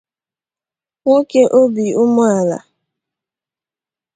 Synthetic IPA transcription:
ŋʷo˦ke˦ʔo˦bi˨ʊ˦mʊ˦a˨la̰˨

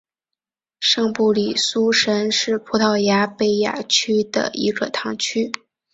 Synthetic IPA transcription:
ʂɤ˥˧ŋpu˥˩li˨˩su˥ʂə˧˥nʂɻ̩˥˩pʰu˧˥t̪ʰɑ˥˩ʊja˧˥pe˥˩ɪja̰˨˩t͡ɕʰy˥d̪ə̰˧˩i˧˥ɡə˧t̪ʰɑ˧˥ŋt͡ɕʰy˥

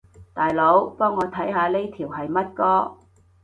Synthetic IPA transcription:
t̪aː˨jlo˨˥wpɔː˥ŋːɔː˨˧t̪ʰɐ˨˥jɦaː˨˧le˥jt̪ʰiː˨˩wɦɐ˨jmɐ˥t̚kɔː˥

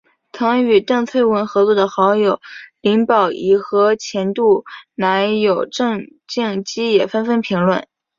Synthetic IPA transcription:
t̪ʰɤ˧˥ŋy˨˩ʈ͡ʂɤ˥˧ŋt͡sʰwe˥˩ɪwə˧˥nxɤ˧˥t͡swɔ˥˩d̪ə˩xɑ˧˥ʊjo˨˩ʊli˧˥ŋpɑ˨˩ʊʔi˨˥˩xɤ˧˥t͡ɕʰjɛ˧˥nt̪u˥˩na˧˥ɪjo˨˩ʊʈ͡ʂɤ˥˧ŋt͡ɕi˥˩ŋt͡ɕi˥jɛ˨˩fə˥nfə˥npʰi˧˥ŋlwə̰˨˩˦n

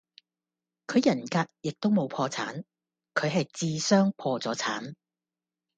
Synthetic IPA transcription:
kʰɵ˨˧ɥjɐ˨˩nkaː˧k̚jɪ˨k̚t̪o˥wmo˨˧wpʰɔː˧t͡sʰa̰ː˨˥n | kʰɵ˨˧ɥɦɐ˨jt͡siː˧sœː˥ŋpʰɔː˧t͡sɔː˨˥t͡sʰa̰ː˨˥n

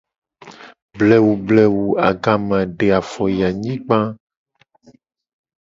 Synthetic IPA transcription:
blɛ˨wu˨blɛ˨wu˨a˨ɡã˨mã˨ɖe˨a˨fɔ˨ja˨ɲĩ˦k͡pã˦

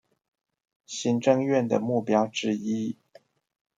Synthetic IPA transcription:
ɕi˧˥nʈ͡ʂɤ˥˧ŋɥɛ˥˩nd̪ə̰˩mu˥˩pjɑ˥ʊʈ͡ʂɻ̩˥˧i˥

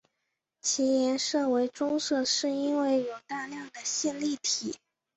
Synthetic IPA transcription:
t͡ɕʰi˧˥jɛ˧˥nʂɤ˥˩we˧˥ɪʈ͡ʂʊ˥ŋʂɤ˥˧ʂɻ̩˥˩i˥nwe˥˩ɪjo˨˩ʊt̪a˥˧ljɑ˥˩ŋd̪ə˩ɕɛ˥˧nli˥˩t̪ʰi˨˩˦

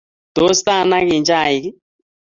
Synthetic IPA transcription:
t̪o˨˦st̪a˦˨na˦ki˨nd͡ʒa˦˨i˨ki˦

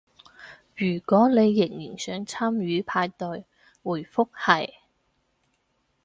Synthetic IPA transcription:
ɥyː˨˩kʷɔː˨˥ne˨˧jːɪ˨˩ŋjiː˨˩nsœː˨˥ŋt͡sʰaː˥mjyː˨˥pʰaː˧jt̪ɵ˨˧ɥ | wuː˨˩jfʊ˥k̚hɐ˨˩j

